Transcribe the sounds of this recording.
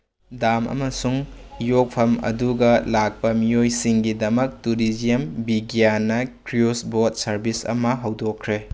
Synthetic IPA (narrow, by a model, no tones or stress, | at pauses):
damʔɐ̰mɐsuŋjok̚pʰɐmɐ̰duɡɐlak̚pɐmijojsiŋɡidɐmɐk̚tuɾid͡ʒijɐmbiɡijanɐkɾiosbot̚sɐɾbisɐ̰mɐɦɐwdokʰɾe